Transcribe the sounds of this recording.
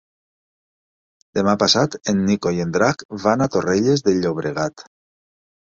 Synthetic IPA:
d̪emapasat̪enːikojend̪ɾakβanat̪oreʎezðeʎoβ̞ɾeɣ̞at̪

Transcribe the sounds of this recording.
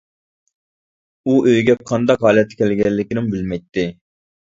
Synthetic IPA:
uʔøjɡʲɛqʰɑnd̪ɑqɦɑːlɛt̪ʰːɛ̥kʲʰɛlɡʲɛlːɪkʲinɪmbɪlmɛjt̪ʰːɪ

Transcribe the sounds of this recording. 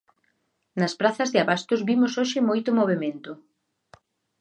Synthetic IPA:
nɐspɾaθɐzðɪaβast̪ʊzβimʊsoʃɪmojt̪ʊmoβ̞emẽnt̪ʊ

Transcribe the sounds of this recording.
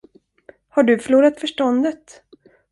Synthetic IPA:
haɖɵfœɭuːɾat̪fœʂʈɔnd̪ət̪

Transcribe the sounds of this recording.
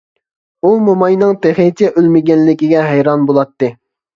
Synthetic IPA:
umomɑjnɨŋt̪eχit̪ʰɛʔølmɪɡʲɛnlɪkʲiɡʲɛɦɛjɾɑnbolˠɑt̪ːɨ

